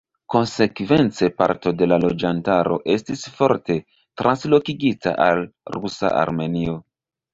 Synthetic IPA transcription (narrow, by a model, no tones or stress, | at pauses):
ko̞nse̞kve̞nt͡sepa̰ɾto̞de̞lalo̞d͡ʒantaɾo̞̰ʔe̞stisfo̞ɾte̞ | tɾʔanslo̞kiɡita̰ʔalrɾusa̰a̰ɾme̞nio̞